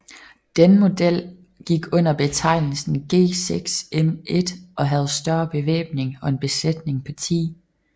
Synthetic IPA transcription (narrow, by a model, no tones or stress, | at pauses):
d̥enəmo̝d̥el̰ | ɡ̥iɡ̥ɔ̽n̰ɐb̥e̝t͡sʰɑ̈ɪ̰nl̩sn̩ɡ̥e̝̰ːseɡ̥seme̝d̥ʔɒ̽ɦæð̞̩ˠsd̥ɶɐb̥e̝ʋḛːb̥ne̝ŋɒ̽e̝nb̥e̝sled̥ne̝ŋpʰɒ̽t͡sʰḭː